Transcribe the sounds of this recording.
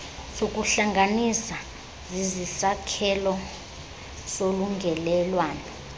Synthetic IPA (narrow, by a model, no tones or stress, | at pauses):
sok̬ʼuɬaŋʱanisa | zizisakʰɛlɔ | soluŋɡʱɛlɛlwaːnɔ